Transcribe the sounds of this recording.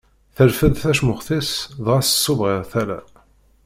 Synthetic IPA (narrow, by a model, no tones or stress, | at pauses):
θəlfəðθæʃmʊχθisðʁæsə̥sːʊvʁɪʁθælæ̰